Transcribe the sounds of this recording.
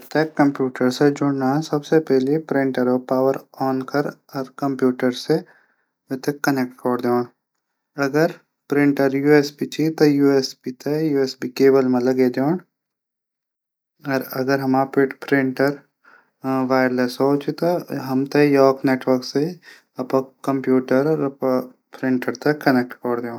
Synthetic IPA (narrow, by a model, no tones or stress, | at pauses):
t̪ekːɐ̃mpjuːʈəɾsed͡ʒʊɽnãːsɐbsepɛɦlepɾɪ̃ɳʈəɾopaːʋəɾɔːnkɐɾɔɾkɐ̃mpjuːʈəɾse | ʋet̪ekːɐnek̚ʈkɔɽd̪eãɳ | ɐɡəɾ | pɾɪ̃ɳʈəɾjuːeːsbit͡ʃit̪ojuːesbit̪ʰejuːesbikeːbəlmẽlɐɡeːd̪oːɳ | ɐɾɐɡəɾɦɐmappɾɪ̃ɳʈəɾ | ʋaːjəɾlesoːt͡ʃit̪oɦɐmt̪ejɔːkneːʈʋəɾkse | ɐpɐkːɐ̃mpjuːʈəɾp | pɾɪ̃ɳʈəɾt̪ɐkːɐnek̚ʈkɔɾd̪eõ